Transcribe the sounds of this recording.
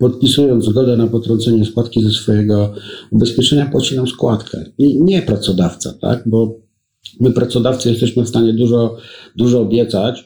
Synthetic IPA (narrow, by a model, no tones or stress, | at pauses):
pɔt̪̚pʲisujɔnd̪ɡɔd̪ɛnapɔt̪ɾɔ̃nt̪sɛɲɛspat̪kʲizɛsfɔjɛɡɔubɛspʲjɛt͡ʂɛɲapwat͡ɕinamskwat̪kʰɛ̰iɲɛpɾat̪sɔd̪aft̪sa̰t̪a̰ɡ̚bɔ | mɘpɾat̪sɔd̪aft̪sɨjɛst̪ɛɕmɘfst̪aɲɛd̪uʐɔd̪uʐɔːbʲjɛt̪sat͡ɕ